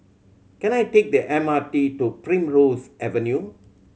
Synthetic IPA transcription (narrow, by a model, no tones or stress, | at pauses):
kɛ̃najtek̚dəʔɛ̃matitupɹĩmɹosʔɛvənju